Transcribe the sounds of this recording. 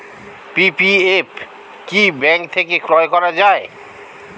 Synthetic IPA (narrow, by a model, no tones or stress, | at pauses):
pipiep | kibɛŋkt̪ʰekekɾɔekɔɾad͡ʑae